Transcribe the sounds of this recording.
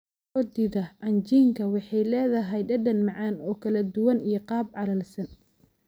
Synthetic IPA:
ɔːd̪iːðɐʔɐnt͡ʃiːŋkʰɐwɑħɑjlɛːðɐɦɛjɖɐɖɐnmɑʕɑːnɔːkʰɐlɐd̪ʊwɐnijɞqɑːbʕɑlɐlsɐn

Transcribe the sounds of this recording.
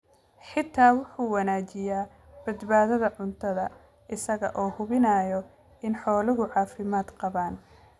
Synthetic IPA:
ħɪt̪ʰːaːwʊħuːwɑnaːt͡ʃɪjaː | b̥ɐd̪baːðɐðɐʕʊnt̪ʰɐðɐ̰ | ʔɪsɐɣɐ̰ʔɔːhʊβɪnaːjɔ | ɪnħɔːlɪɣʊʕɑːfɪmaːd̪qɑβaːn

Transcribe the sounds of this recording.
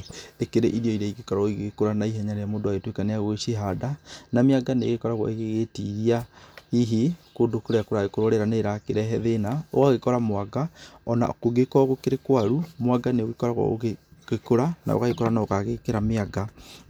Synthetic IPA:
ekeɾeʔiɾiɔiɾaiɣekɔɾɔiɣekoɾanaiɦɛɲaɾeamoːdoaɣetwekaneaɣweʃeɦadanameaɡaneɣekɔɾaɣwɔ̰eɣeɣetiɣiahiɦekoːdokoɾeakoɾaɣekoɾoɾeɾaneɾakeɾɛɦɛðenao̰ɣaɣekɔɾamowaɡaɔna̰koɣekɔɣokeɾekwaɾumowaɡaneoɣekɔɾaɣwɔ̰o̰ɣeɣekoɾana̰o̰kaɣekɔɾanaokaɣekeɾameaɡa

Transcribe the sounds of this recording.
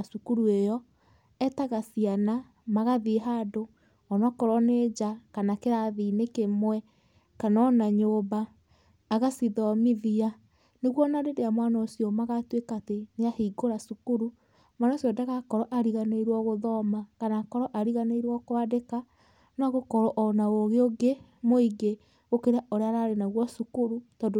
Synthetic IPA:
sukuɾuejɔ | ɛtaɣasiana | maɣaðiɦado | ɔnɔkɔɾɔneːd͡ʒakanakeɾaðinekemwɛ | kanɔnaɲobaː | ɣasiðɔmiðia | neɣwɔnaɾedeamwanaosiɔmaɣatwekateneahiɡoɾasukuɾu | manasɔdaɣakɔɾɔʔaɾiɣaneiɾwɔɣoðɔmakanakɔɾɔʔaɾiɣaneiɾwɔkoadeka | naɣokɔɾɔʔɔnaoɣeoɡe | moiɡe | ɣokeɾaoɾeaɾaɾenaɣwɔsukuɾutɔdo

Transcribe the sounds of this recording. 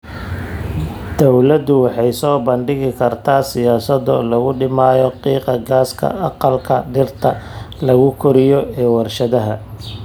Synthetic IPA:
d̪̥ɔwlɐd̪ʊwɑħɑjsɔːbɐɳɖɪɣɪkʰɐrt̪ʰaːsɪjaːsɐd̪ɔlɐɣʊɖɪmaːjɔqiːqɑɡaːskʰɐ̰ʔɑqɑlkʰɐɖɪrt̪ʰɐlɐɣʊkʰɔɾɪjɔɛːwɑrʃɐðɐɦɐ

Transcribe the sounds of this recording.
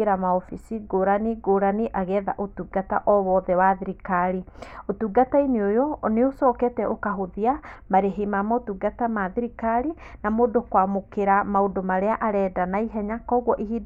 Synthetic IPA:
eɾamaɔfisiɡoɾaniɡoɾaniʔaɣɛðaʔotuɡata̰ʔɔβɔːðɛwaðiɾikaɾiotuɡataineojoneosɔːkɛtɛʔokaɦoðiamaɾeɦimamɔotuɡatamaðiɾikaɾi | namoːdokwamokeɾamaodomaɾeaʔaɾɛːdanaiɦɛɲakɔɣwɔʔiɦi

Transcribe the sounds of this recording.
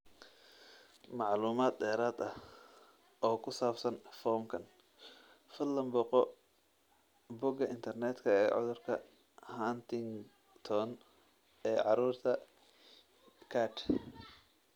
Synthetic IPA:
mɑʕluːmaːd̪d̪ɛːɾaːd̪ɐh | ʔɔːkʰʊsaːbsɐnfɔːmkʰɐn | fɪllːɐmbɔqɔ | bʊɡɐʔɪnt̪ʰɐrnɛːt̪kʰɐɛːʕʊ̰ðʊrkʰɐ | hant̪ʰɪŋ | t̪ʰɔn | ɛːʕɑɾuːrt̪ʰɐ | kʰaːʈ

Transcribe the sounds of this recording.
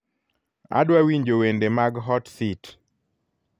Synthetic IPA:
a̰dwawiɲd͡ʒowendemaɡɦɔtsit

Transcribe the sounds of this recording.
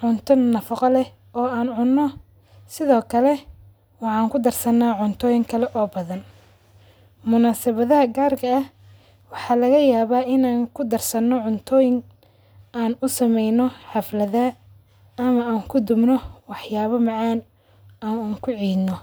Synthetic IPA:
ʕʊnt̪ʰɔnnɐfɑqɑlɛ | ɔːaːnʕʊnːɔ | sɪðɔːkʰɐlɛ | wɑʕɑːŋkʰʊd̪ɐrsɐnaːʕʊnt̪ʰɔːjɪŋkʰɐlɛʔɔːbɐðɐn | mʊnaːsɐβɐðɐɦɐɡaːrkʰɐːh | wɑħɑːlɐɣɐjaːβaːɪnaːŋkʰʊd̪ɐrsɐnːɔʕʊnt̪ʰɔːjɪŋ | aːnʊsɐmɛjnɔħɑflɐða | ɐmɐaːŋkʰʊd̪ʊbnɔwɑħjaːβɐmɑʕɑːn | aːnaːŋkʰʊʕiːd̪nɔ

